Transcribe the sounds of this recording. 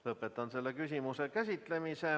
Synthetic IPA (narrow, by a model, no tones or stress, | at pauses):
lɤpːˑet̪ːˑɑnse̞lːekysʲimusekæsʲit̪ˑle̞mise